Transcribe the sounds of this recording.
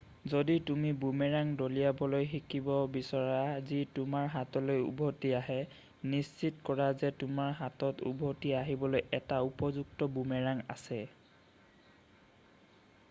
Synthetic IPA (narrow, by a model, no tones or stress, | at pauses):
zoditumibumeɹaŋdolijabɔlojxikʰibɔbisɔɹazitʊmaɹɦatɔlojṵbʱotiaɦɛ | nissitkɔɹazɛtʊmaɹɦatɔtṵbʱotiaɦibɔlojɛtaupɔzuktɔbumɛɹaŋa̰sɛ